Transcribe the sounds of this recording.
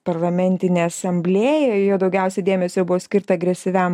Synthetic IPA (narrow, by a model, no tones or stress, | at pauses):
pɐɾlˠɐmʲɛnʲt̪ʲɪnʲeːɐsɐmʲbʲlʲeːjɛjoːd̪ɐʊɡʲɛˑʊsʲɛd̪ʲeːmʲɛsʲojbʊʋoːsʲkʲɪɾt̪ɐɐɡɾʲɛsʲɪʋʲɛm